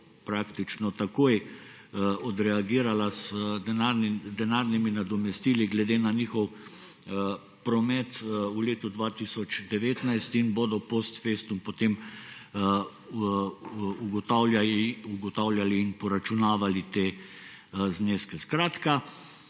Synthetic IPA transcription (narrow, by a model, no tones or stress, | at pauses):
pɾaːkt̪it͡ʃnɔt̪akoːj | ɔd̪ɾɛaɡiːɾalazɛnaɾnid̪ɛnaɾniminad̪ɔmɛst̪iːliɡlɛd̪eːnaniːxɔw | pɾɔmɛt̪uleːt̪ud̪ʋaːt̪isɔt͡ʃd̪ɛʋeːt̪najst̪inbod̪ɔpost̪feːst̪umpot̪em | uɡɔt̪aːwlʲjaiuɡɔt̪aːwlʲjaliːnpɔɾat͡ʃunaːʋalit̪eː | zneːskɛskɾaːt̪ka